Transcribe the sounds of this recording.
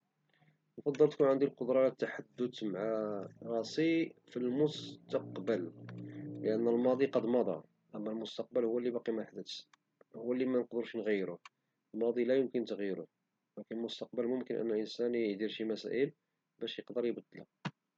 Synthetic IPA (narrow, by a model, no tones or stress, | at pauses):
nfɑd̪ˤːəlt̪kunʕənd̪ilqod̪ɾˤɑæt̪ːaħad̪ːʊd̪maʕaɾˤɑsifilmʊst̪ɑqbəl | ləʔənːəlmɑd̪ˤiqɑd̪mɑd̪ˤɑ̰ | ʔəmːælmʊst̪ɑq̚bəlhʊwːælːibɑqimæħd̪ət̪ | hʊwːælːimænəqd̪əɾʃinɣəjːɾʊ | əlmɑd̪ˤilæjʊmkənt̪əɣjɾʊ̰ | lækənəlmʊst̪ɑq̚bəlmʊmkənʔə̰nːəlʔənsænəd̪iɾʃimæsæ̰ʔəl | bæʃjəqd̪əɾjbəd̪ːlæ̰